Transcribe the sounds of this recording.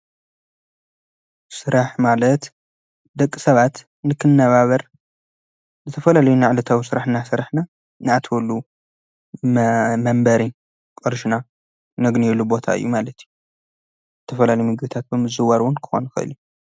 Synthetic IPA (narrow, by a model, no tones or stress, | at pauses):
sɨɾaħmalɐt̪ | d̪ɐkʼːisɐβat̪ | nɨkʰɨnːɐβaβɐɾ | zɨt̪ʰɐfɐlalɐjunaʕlɐt̪ʰawisɨɾaħnasɨɾħna | nɨat̪ʰwɔlːu | mɐmbɐɾi | kʼɔɾʃna | nɐɡnijɛlːubo̞t̪ʰaɨ̰jːumalɐt̪ʰiju | zɨt̪ʰɐfɐlalɐjumɨɡbit̪ʰat̪̚bɨmɨzɨwaɾwʊnkʰɨ̥xo̰nxɨ̰ɨ̰lju